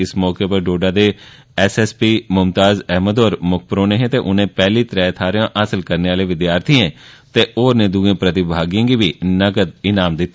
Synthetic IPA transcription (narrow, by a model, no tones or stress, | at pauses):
ɪsmɔːkepəɖoːɖaːd̪eː | ɛsɛːspiːmʊmt̪aːzɛːɦməd̪oːɾmʊk̚ʰpɾoːnẽːɦɛ̃ːt̪eːʔʊnẽːpɛːliːt̪ɾɛːt̪ʰaːɾɪjãːʔəsəlkəɾneːaːleːʋɪd̪jaːɾt̪ʰiẽːt̪eːʔoːɾnẽːd̪uːẽːpɾət̪ɪbʱaːɡiãːɡiːʋiːnəɡəd̪ɪnaːmd̪ɪt̪ːa